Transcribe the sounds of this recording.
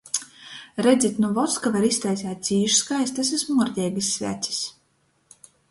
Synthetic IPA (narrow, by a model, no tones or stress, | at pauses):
ɾɛd̪zit̪nuvɔt̪skavaɾist̪ajsʲæːt̪̚sʲiːʃskajst̪as̬ismuɾʲt̪ʲɛɛɡisʲːvʲæ̰t̪sʲi̥s